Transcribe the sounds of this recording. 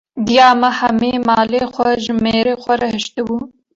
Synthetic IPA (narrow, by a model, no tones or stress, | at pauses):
d̪jaːmɐhɐmeːmaːleːxʷɛʒɪmeːɾeːxʷɐɾɐhɪʃt̪ɨbu